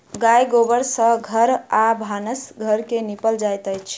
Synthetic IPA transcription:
ɡajɡobəɾsə̃ɡʱəɾabʱanəsɡʱəɾkenipəld͡ʒajt̪əjt͡ʃʰ

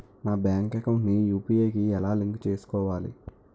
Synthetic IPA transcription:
naːbjaːŋkɐkɐwɳʈnijuːpiːeːkiɛlaːliŋkt͡ʃe̞ːsu̥kɔːʋaːlḭ

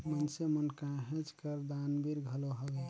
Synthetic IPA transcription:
mənsemənkãɦẽt͡ʃkəɾd̪anbiɾɡʱəloɦəlɛ

